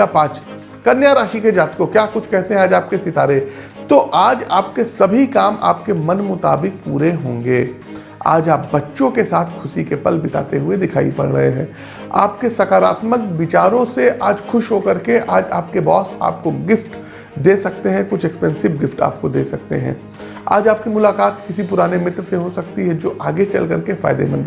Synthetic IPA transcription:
apaːt͡ʃ | kɐnjaːɾaːʃiked͡ʒaːt̪kokjaːkʊt͡ʃʰkɛɦt̪eɦɛ̃aːd͡ʒaːpkesɪt̪aːɾe | t̪oʔaːd͡ʒaːp̚kesɐbʱikaːmʔa̰ːpkemɐnmʊt̪aːbɪk̚puːɾeɦõːŋɡeː | a̰ːd͡ʒaːp̚bɐtːʃõkesaːt̪ʰkʰʊsikepɐlbɪt̪a̰ːt̪eɦʊed̪ɪkʰaːḭpɐɽɾɐɦeɦɛ̰̃ː | a̰ːpkesɐkaːɾa̰ːt̪məkbɪt͡ʃaːɾõseʔaːd͡ʒxʰʊʃɦokɐɾkeʔaːd͡ʒaːpkebɔːsa̰ːp̚koɡɪfʈ | d̪eːsɐkt̪eɦɛ̃kʊt͡ʃʰɛkspɛ̃ːnsɪʋɡɪfʈa̰ːp̚kod̪ḛːsɐk̚t̪ḛɦɛ̰̃ː | a̰ːd͡ʒaːp̚kimʊlaːkaːt̪kɪsipʊɾaːnemɪt̪ɾseɦosɐkt̪iɦɛd͡ʒoːʔaːɡet͡ʃɐ̰lkɐɾkefa̰ːɪd̪ḛmɐ̃nd̪

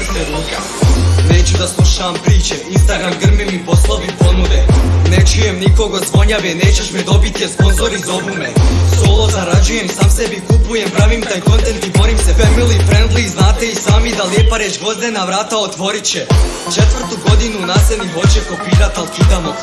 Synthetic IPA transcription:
t̪eɾuːke | ne̞ːt͡ɕud̪aslˠuʃampɾiːt͡ɕeinst̪aɡɾamɡr̩mimiposlˠoʋipo̞nud̪enet͡ʃujemniko̞ɡozʋo̞ɲaʋene̞ːt͡ɕeʃmid̪o̞bit̪iespo̞nzo̞ɾizo̞bumeso̞ːlˠo̞zaɾad͡ʑujemsaːmsebikupujempɾaʋimt̪aːjko̞nt̪e̞nt̪ibo̞ɾimsefeɾmilˠipɾend̪lˠiznaːt̪eisaːmid̪aljepaɾeːt͡ʃɡo̞zd̪enaʋɾaːt̪aot̪ʋo̞ɾit͡ɕe | t͡ʃe̞t̪ʋr̩t̪uɡo̞d̪inunaseniɦo̞t͡ɕeko̞piːɾat̪alˠkid̪amo

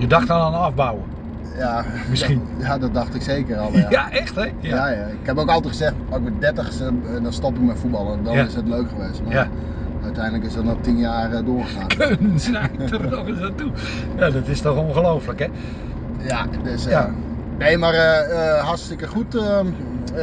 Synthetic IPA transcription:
jədɑxtɔnanɑvbawə | jamɪsijadɔdɑxtɪkseːkərɔlˠaʔɛxtɛjjajaɪkhɛpoːkɑlˠtɛtχəzɛxtɔɪk̚mɛt̚dɛtəxsɛdɔnstɔpɪk̚mɛjfubɑlˠəndɔnɪsətløɥkχəʋeːstma | œɥtɛjndələkɪsdɔtnɔtinjaːrdoːrχəxaːnkʰønənsnɛtəoəsatu | jadɔtɪstɔxoŋxəlowfələkɛ | jadøs | neːmarəəɦarstɪkəχutə

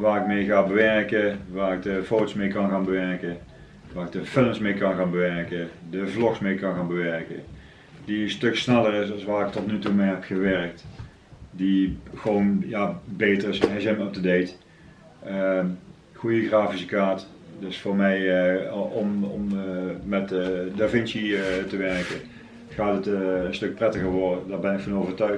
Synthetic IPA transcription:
ʋaːrɪk̚mejɣaːbəʋɛrkəʋaːrɪɡ̚dəfotosmejkɑnɣaːnbəʋɛɹkə | ʋaːrɪɡ̚dəfɪləmsmejkɑnɣaːnbəʋɛrkədəvlɔksmejkɑnɣaːnbəʋɛɹkə̰ | d̥instɵksnɛlˠərɪs̬ɑlˠsʋaːrɪk̚tɔtnytumejɦɛpxəʋɛrk̚t | dixəʋonjabejtərɪsɛzɛməp̚dədejt | ə | ɣujəɣraːfisəkaːt | dɵsfʊːɹmɛj | ɔmɔmmɛtdəvɪnsitəʋɛɹkə | χaːtətənstɵk̚prɛtəɣəɹʋɔɹdədaːɹbɛnɪkfɑnowvəɹtœɥ

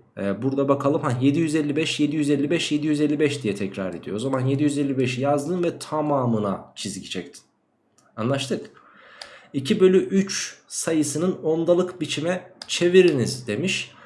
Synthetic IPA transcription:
ɛːbuɾd̪abakʰalˠɯmhaje̞d̪ijyzɛlʲːibɛʃje̞d̪ijyzɛlʲːibɛʃje̞d̪ijyzelʲːibɛʃd̪ijɛt̪ʰɛcɾaɾed̪ijoozamanje̞d̪ijyzelʲːibɛʃjazd̪ɯːnvɛt̪ʰamaːmɯnat͡ʃʰizɟit͡ʃʰɛc̚t̪ʰi̥n | anlˠaʃt̪ʰɯk | icʰibø̞lʲyʔyt͡ʃsajɯsɯnɯno̞nd̪alˠɯkbit͡ʃʰimɛt͡ʃʰe̞viɾinizd̪e̞miʃ

